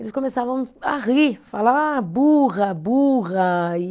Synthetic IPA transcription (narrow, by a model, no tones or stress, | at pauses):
elɪskomesavɐ̃w̃aʁifalabuʁɐbuʁɐi